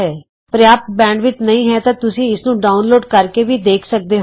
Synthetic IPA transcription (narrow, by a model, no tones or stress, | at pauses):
ɛː | pɾɪjaːp̪̚bɛ̃ːɳɖʋɪt͡ʃnəɦĩːɦɛt̪ãːt̪ʊsĩːɪsnũːɖaːʊnloːɖkəɾkeːbʱiːd̪eːkʰsək̚d̪eːɦ